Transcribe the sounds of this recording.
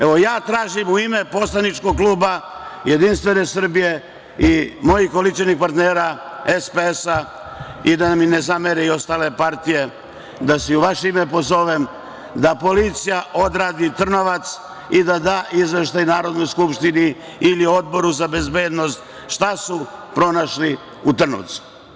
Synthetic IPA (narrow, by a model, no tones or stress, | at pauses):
eʋo̞jaːt̪ɾaːʒimuime̞po̞slanit͡ʃko̞ɡ̚kluːbaje̞d̪inst̪ʋe̞ne̞sr̩bije | imo̞jihko̞lit͡ʃenixpaɾt̪neːɾa | espeesa | id̪amine̞zameɾeio̞st̪aːle̞paɾt̪ije̞ | d̪asɛuʋaʃeime̞po̞zo̞ʋem | d̪apo̞lit̪sijaʔo̞d̪ɾaːd̪it̪r̩no̞ʋat̪s | id̪ad̪aːʔizʋe̞ʃt̪ajnaːɾo̞d̪no̞jskupʃt̪iniː | lio̞d̪̚bo̞ɾuzabe̞zbe̞ːd̪no̞st̪ | ʃt̪asupɾo̞naʃli | ut̪r̩no̰t̪su̥